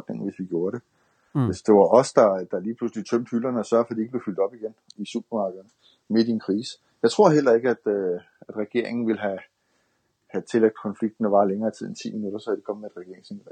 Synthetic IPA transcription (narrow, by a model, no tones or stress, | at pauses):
d̥neŋ̩ʋe̝sʋiɡ̥jo̝ːɐɾe̝ | esd̥e̝ʋɑ̈ʔɒ̽sd̥ɑ̈d̥ɑ̈liːpʰluslit͡sʰøm̰d̥hylɐnəɒsɶɐfɒd̥ie̝ɡəb̥le̝fyl̰d̥ɒ̽b̥iɡ̥enisub̥ɐmɑ̈ːɡ̥ð̩ˠnə | me̝dienkʰʁiːs | jɑ̈ɪt͡sʰʁo̝ɐ̰ɦel̰ɐe̝ɡ̥əæd̥ø | æd̥ʁɛɡ̥e̝ɐ̰e̝ŋn̩ʋe̝lɦæ | hæt͡sʰe̝leɡ̥̚d̥kʰɒ̽nfliɡ̥̚d̥næʋɑ̈ːleŋɐːt͡sʰið̰ˠent͡sʰḭːminud̥ɐsɒ̽ʋæd̥ikʰɒ̽məmeed̥ʁɛɡ̥e̝ɐeŋsi